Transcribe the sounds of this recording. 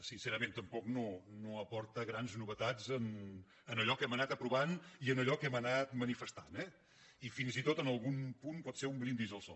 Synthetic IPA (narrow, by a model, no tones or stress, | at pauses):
sinsɛɾəmẽnt̪əmpɔknonoəpɔɾt̪əɣɾanznuβət̪azən | ənəʎɔkɛmənat̪əpɾuβaniənəʎɔkɛmənat̪mənifəst̪a̰nɛ | ifinzit̪ot̪ənəlˠɣumpunpɔt̪seɾumbɾind̪izəlˠsɔ̰